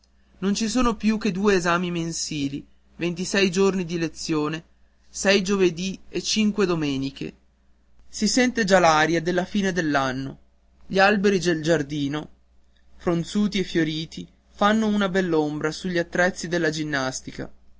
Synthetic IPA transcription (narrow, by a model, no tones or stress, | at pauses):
nont͡ʃis̬oːnopjukːed̪uːeːzaːmimensiːli | vent̪isɛjd͡ʒornid̪ilet̪sːjoːne | sɛjd͡ʒoved̪iet͡ʃiŋkwed̪omeːnikḛ | sisɛnt̪ed͡ʒalaɾjad̪elːafiːned̪elːanːo̰ | ʎialbeɾid͡ʒeld͡ʒard̪iːno | fɾont̪suːt̪iefjoɾiːt̪i | fanːounabɛlːombɾasuʎːiat̪ːɾɛt̪sːid̪elːad͡ʒinːast̪ika̰